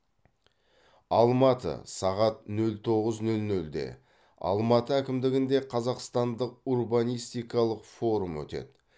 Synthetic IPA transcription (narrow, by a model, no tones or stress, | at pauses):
ɑlˠmɑt̪ə̰sɑʁɑt̪̚nɵlt̪ʰo̞ʁəznɵlnɵld̪e̞̰ | ɑ̰lˠmɑt̪əækʲɪmd̪ɪɡʲɪnd̪e̞qʰɑzɑqst̪ɑnd̪əq̚urbɑnijst̪ijkɑlˠəqfo̞ɾumwɵ̰t̪e̞̰d̪ɪ